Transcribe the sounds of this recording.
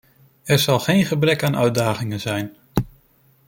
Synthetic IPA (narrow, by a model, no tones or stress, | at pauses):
ɛɹz̥ɑlˠχejnχəbrɛkaːnʔœ̰ɥ̚daːɣɪŋəzɛjn